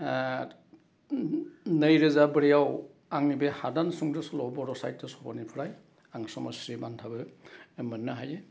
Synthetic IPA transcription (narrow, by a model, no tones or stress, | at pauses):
nəjɾɯzabɯɾijaw | aŋnibehadansuŋdɯsɔlɔbɔɾɔsa̰jtːɯsɔbɔnipʰɯɾaj | aŋsɔmɔ̰sɾibantʰabɯmɯnːaɦaje